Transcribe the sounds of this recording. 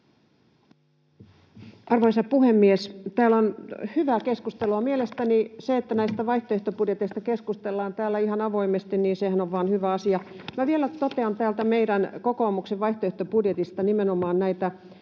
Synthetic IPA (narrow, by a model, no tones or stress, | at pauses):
ɑrʋoisɑpuhemːiest̪æːlonhyʋæːkeskust̪eloɑmielest̪æniseet̪ːænæist̪æʋɑiht̪oeht̪opudjet̪eist̪ɑkeskust̪elːɑːnt̪æːlːˑæihɑnɑʋoimest̪inniːnsehænoʋʋɑːnhyʋæɑsiɑmæʋielæt̪ot̪eɑnt̪æːlt̪æmeiɾænkokoːmukseʋʋɑiht̪oeht̪opudjet̪ist̪ɑnimenomɑːnnæit̪æ